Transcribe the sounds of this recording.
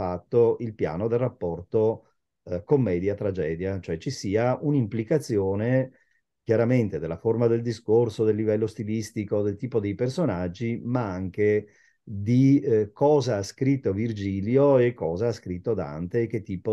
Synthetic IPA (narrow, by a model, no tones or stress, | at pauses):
fat̪ːoilpja̰ːnod̪elrapːɔrt̪o | komːɛːd̪jat̪ɾad͡ʒɛːd̪jat͡ʃoɛt͡ʃːisiːaunimplikat̪sːjoːne | k̟jaɾament̪ed̪elːaformad̪eld̪iskorsod̪elːivɛlːost̪ilist̪ikod̪elt̪iːpod̪ejpersonad͡ʒːimaaŋke | d̪ikɔːzaaskɾit̪ːovird͡ʒiːljoekːɔːzaaskɾit̪ːod̪a̰nt̪ek̟et̪ːiːpo